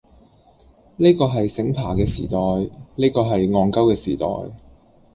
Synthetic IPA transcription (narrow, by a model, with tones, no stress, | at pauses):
ne˥kɔː˧ɦɐ˨jsɪ˨˥ŋpʰaː˨˩kɛː˧siː˨˩t̪ɔː˨jneː˥jkɔː˧ɦɐ˨jŋɔː˧ŋkɐ˥wkɛː˧siː˨˩t̪ɔ̰ː˨˩j